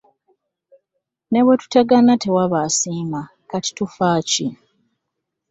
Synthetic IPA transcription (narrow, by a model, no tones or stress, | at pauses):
ne̞βwetu̥taɡanate̞waβasiːma | kati̥tufaːci